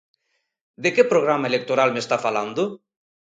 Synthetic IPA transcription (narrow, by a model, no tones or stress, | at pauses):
d̪ekepɾoɣ̞ɾamaelek̚t̪oɾalmest̪afaland̪o